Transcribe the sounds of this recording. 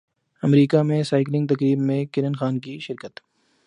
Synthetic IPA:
ɐmɾiːkamẽsaːɪklɪ̃ŋɡ̚t̪ɐkɾiːbmẽkɪɾənxaːnkiʃɪɾkət̪

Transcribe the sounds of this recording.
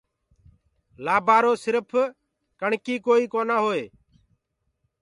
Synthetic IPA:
laːbaːɾoːsɪɾpʰ | kəɳkiːkoːiːkoːnaːɦoːeː

